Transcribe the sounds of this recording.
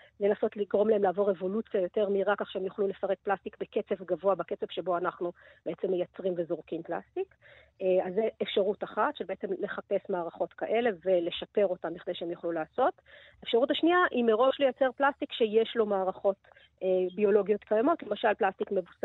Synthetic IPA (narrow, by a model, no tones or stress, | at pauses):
le̞naso̞tliɡʁo̞mlaemlaːvo̞ʁevo̞lut͡sijajo̞te̞ʁmiʁakaχʃeemjuχlulefaʁe̞k̚plast̪ikbeke̞t͡se̞vɡavo̞abake̞t͡sev̥ʃe̞bo̞anaχnub̥eet͡se̞mːejat͡sʁimve̞zoʁkimpla̰stikː | azːeːfʃaʁutaχatʃebeet͡se̞mle̞χape̞smaːʁaχo̞tkaʔe̞le̞vele̞ʃape̞ʁo̞tambiχd̪ejʃeemjuχlulaːso̞t | aefʃaʁutaʃniaʔimeʁo̞ʃlejat͡se̞ʁplast̪ikʃejeʃlo̞maːʁaχo̞t | ebio̞lo̞ɡijo̞tkajamo̞tlemaʃalplast̪ikme̞vusa